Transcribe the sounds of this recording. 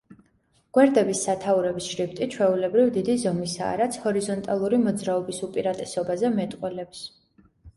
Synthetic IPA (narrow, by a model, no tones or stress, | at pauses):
ɡ̥wɛɾd̪ɛbisːat̪ʰauɾɛbisʃɾipt̪ʼit͡ʃʰwɛulɛbɾivd̪id̪izɔmisa̰ːɾat̪sʰhɔɾizɔnt̪ʼalˠuɾimɔd̪zɾaɔbisupʼiɾat̪ʼɛsɔbazɛmɛt̪ʼqʼwɛlɛps